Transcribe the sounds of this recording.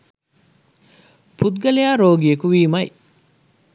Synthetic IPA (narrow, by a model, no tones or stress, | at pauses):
put̪ɡɐlejaːɾoːɡiekuʋiːmɐj